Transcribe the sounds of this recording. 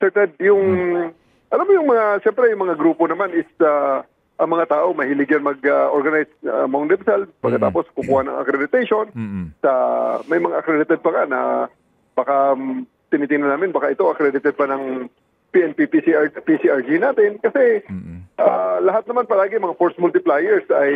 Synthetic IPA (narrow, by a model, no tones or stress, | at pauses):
sɛɹt̪ɛd̪̚jʊŋ | ʔɐlamːojʊŋmɐŋaʃɛmpɾɛjʊŋmɐŋaɡɾuːpo̞nɐmanʔɪsa | ʔɐŋmɐŋat̪aːʔo̞mɐhɪlɪɡjɐnmɐɡaʔoɹɡɐnajsa̰moŋnd̪ɪpsalpɐɡkːɐt̪a̰ːpo̞skʊkuːhɐnɐ̰ŋɐ̰kɾɛd̪ɪt̪ɛjʃo̞nsɐmɐjmɐŋaʔɐkɾɛd̪ɪt̪ɛd̪̚pɐŋanɐ̰ | b̥ɐka | t̪ɪniːt̪ɪŋnɐnaːmɪnbɐkaʔɪt̪o̞ʔɐkɾɛd̪ɪt̪ɛd̪̚pɐnɐŋ | piʔɛnpipisipisiʔaɹd͡ʒinaːt̪ɪnkɐsɛʔalɐɦat̪̚nɐmanpɐlaːɡɪmɐŋafoɹsmʊlt̪ɪplaːjɛɹsʔɐj